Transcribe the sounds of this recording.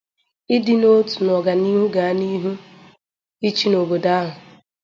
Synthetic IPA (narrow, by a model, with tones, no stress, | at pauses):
ɪ˦dɪ˦no˦tu˨nɔ˨ɡa˨ni˦ɦu˦ɡa˨a˦ni˦ɦu˦ | i˦t͡ʃi˦no˨bo˨da˦ɦʊ˨